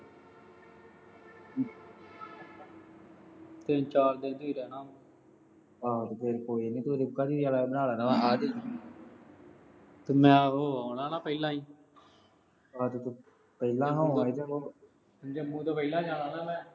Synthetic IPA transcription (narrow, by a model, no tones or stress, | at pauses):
t̪ent͡ʃaːld̪ẽːd̪iːɾɛːnaːmː | aːt̪eːpʰeɾkoːiːnĩːt̪oɾʊkːaːd͡ʒiːaːlanaːlaːnaːmãaːd̪iː | t̪emɛ̃ːɦoːaːnaːnaːpəilãːĩː | aːt̪et̪ː | pɛilãːɦãːãːid͡ʒəoː | d͡ʒəmũːt̪aːpəilãːd͡ʒaːnaːnaːmɛ̃ː